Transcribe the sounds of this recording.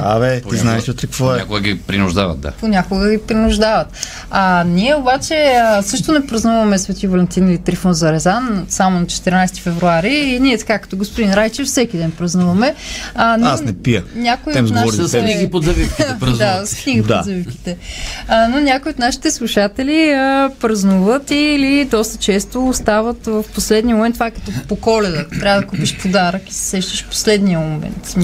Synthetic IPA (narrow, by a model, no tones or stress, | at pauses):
a̰vɛt̪iznaɛʃot̪ɾɛkvoɛakʊɡəɡʲipɾinʊʒd̪a̰vɐ̰t̪̚d̪a̰ponʲakoɡəɡipɾinʊʒd̪avɐt̪ | anʲiɛobat͡ʃɛsɤʃt̪onɛpɾɐznuvɐmɛsvɛt̪ivɐlɛnt̪inilʲit̪ɾifonzɐɾɛzansamonɐt͡ʃɛ̥t̪ɛɾinajst̪i̥fɛvɾuaɾiːnʲiɛt̪ɐ̥kakə̥t̪ɔɡospʊd̪inɾajt͡ʃɛfsɛkid̪ɛnpɾɐznuvɐmɛənasnɛpiə̰nʲakoiɛmzɡ̪ɔɾiniɡipozɐvifkiɾɐd̪askniɡipd̪oa̰zɐvifki̥t̪ɛənonʲakʊiot̪naʃi̥t̪ɛslˠuʃat̪ɛliəpɾɐznuvət̪ilid̪ɔst̪ət͡ʃɛst̪oːst̪avət̪vəfposlɛd̪nijəmomɛnt̪ːvakɐ̥t̪ɔpokɔlɛd̪ət̪ɾʲavəd̪ɐkupiʃpʰod̪aɾəki̥sɛ̥sɛʃt̪əʃfpo̥slɛd̪nijəmomɛ̰nt̪